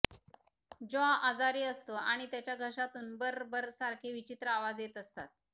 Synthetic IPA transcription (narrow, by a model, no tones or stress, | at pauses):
d͡ʑoaʔad͡zaɾiːəst̪oaɽ̃it̪jat͡ɕjaɡʱəʂat̪uːnbəɾbəɾsaɾkʰeʋit͡ɕit̪ɾəaʋad͡zjet̪əst̪at̪̚